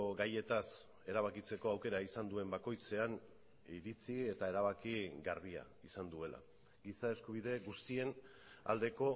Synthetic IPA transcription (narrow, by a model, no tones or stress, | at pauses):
ɡaje̞t̪as | e̞ɾaβ̞akit͡se̞ko̞awke̞ɾaisand̪ue̞mbako̞jt͡se̞an | iɾit͡sie̞t̪ae̞ɾaβ̞akiɣarβia̰ | isand̪ue̞la̰ | ɡisae̞skuβ̞ið̞e̞ɡust̪ie̞n | a̰ld̪e̞ko̞